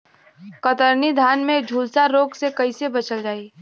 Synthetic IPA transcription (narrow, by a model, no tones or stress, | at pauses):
kət̪əɾnid̪ʱaːnmẽd͡ʒʱuːlsaɾoːɡsekɐisebɐt͡ʃəld͡ʒaːiː